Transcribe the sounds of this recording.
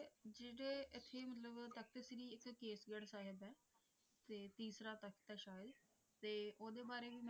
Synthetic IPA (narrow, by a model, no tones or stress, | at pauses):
d͡ʒeːɽeːɪt̪ʰːeːmət̪ləbt̪ək̚ʰt̪esɾiːɪkːeːsɡəɽsaːɦɪbɛː | t̪eːt̪iːsɾaːt̪əkt̪ɛːʃaːjəd̪ | t̪eːoːd̪eːbaːɾeːʋiːm